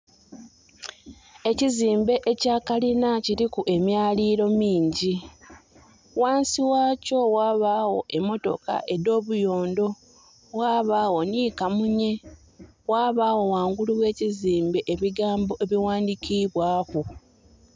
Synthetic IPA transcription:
e̞ciziːmbe̞ʔecaːkalinaciɾikuʔe̞mjaːliːɾo̞miːɲɟi | waːnsiwaːco̞waːβawo̞̰ʔe̞mːo̞to̞̰ka̰ʔe̞do̞ːβujo̞ːndo̞ | waːβaːwo̞niːkamuɲe̞ | waːβaːwo̞waːŋɡuluwe̞ːciziːmbe̞ʔeβiɡaːmbo̞ʔe̞βiwaːndikiβwaːku

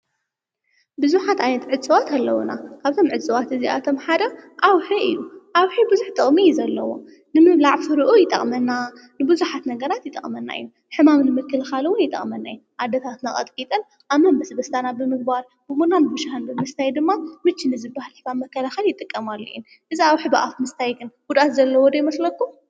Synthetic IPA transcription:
bɨzuħat̪ajnɐt̪ʕɨt͡sʼɨwat̪ʰalːɐwuna̰kʰaβt̪ʰo̞mʕɨt͡sʼɨwat̪ɨzia̰t̪ʰo̞mħad̪ɐʔawħɨʔḭluʔawħɨbɨzuħt̪ʼɨχʼmizɐlːɐwo̞̰ | nɨmɨβlaʕfɨɾɨʔujɪt̪ʼːɐ̰χʼmɐnːa | nɨbɨzuħat̪nɐɡɐɾat̪jɪt̪ʼːɐ̰χʼmɐnːa̰j̰ːu | ħɨmamnɨmɨkʰːɐlɐxalwʊnjɪt̪ʼɐ̰χʼmɐnːa̰jːuʔad̪ɐt̪ʰat̪nakʼɐ̰t̪ʼkʼit̪ʼɐn | ʔamːɐnbɐsbɐst̪ʰanabɨmɨɡ̚baɾ | bɨmunanɨbɨʃaħɨnd̪ɨnmɨst̪ʰajd̪ɨmːamɨt͡ʃːɨnɨzɨbahalɨfamɐkːɐlaxɐljɪt̪ʼɨkʼːɐmalːo̰un | ʔɨziawħibɨʔafmɨst̪ʰajɡɨnɡud̪at̪zɐlːɐwɔd̪ɐjmɐslɐkːu

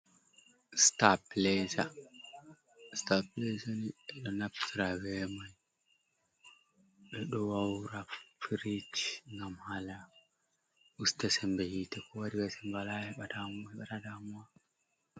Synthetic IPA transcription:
staplɛsa | staplesaniɛɗɔnaptʰiɾawɛmaj | ɗɔɗɔwawɾafiɾitŋɡamhala | ʔustɛsɛmbɛhitɛkʰɔwaɾiwɛsɛmbalahɛɓadamɛɓatadamwa

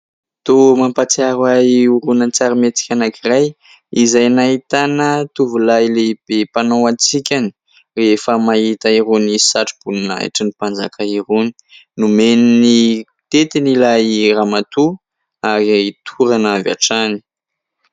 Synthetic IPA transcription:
t̪omampat͡siaɾwaiuɾunant͡saɾimet͡si̥kʲanakiraj | izajnaɦit̪anət̪uvulaileb̥epanowant͡sikʲani̥ | refəmaɦit̪aiɾonisaʈ͡ʂib̥ununaa̰ʈ͡ʂənipand͡zakʰaiɾoni̥ | numenini | t̪et̪inilairamat̪u | aɾiait̪ʰuɾanava̰ʈ͡ʂani̥

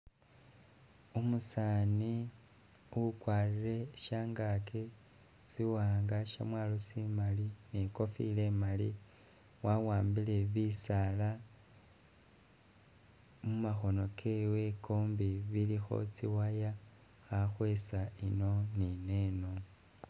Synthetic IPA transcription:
umusani | ukwaːrire̞ʃaːŋɡake | siwaːŋɡaʃa̰mwaːlosimalineko̞fḭle̞mali | wawaːmbile̞βisala | mumaxo̞no̞kʰe̞we̞koːmbiβilixo̞̰t͡siwaja | xaxwe̞saino̞nine̞no̞

